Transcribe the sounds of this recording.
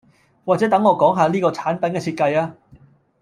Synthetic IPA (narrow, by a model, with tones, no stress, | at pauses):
waː˨˩t͡sɛ˨˥t̪ɐ˨˥ŋːɔː˨˧kɔː˨˥ŋɦaː˨˧liː˥kɔː˧t͡sʰaː˨˥npɐ˨˥nkɛː˧t͡sʰiː˧t̚kɐ˧jaː˧